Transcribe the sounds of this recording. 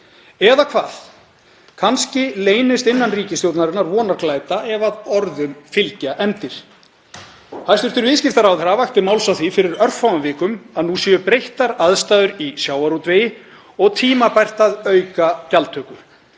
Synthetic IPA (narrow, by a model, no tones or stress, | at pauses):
ɛðakʰva̰ːð̥ | kʰanscɪleːjnɪst̪ɪnːanriːcɪst̪jowt̪naɾɪnaɾvɔːnaɾklajt̪aʔɛvaðɔɾðʏmfɪlcaʔɛnt̪ɪɾ̥ | hajst̪ʏɾt̪ʏɾvɪðscɪft̪aɾawðɾavajht̪ɪmaːwlsawθifɪɾɪɾœr̥fawavɪːkʏmaðnusjɛʏpɾejht̪aɾaðst̪aːðʏɾisjaːwaɾut̪vejɪ | ɔɣt̪ʰiːmapajr̥t̪aðœɥkacalt̪ʰːœːkʏ